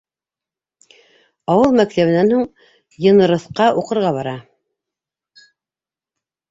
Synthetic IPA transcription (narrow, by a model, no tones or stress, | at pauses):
ɑwɤlˠmæk̚t̪æβɘ̆nænhuɴ | jɤ̆nɤ̆ɾɤ̆θqɑʔuqɤ̆ɾʁɑβɑɾɑ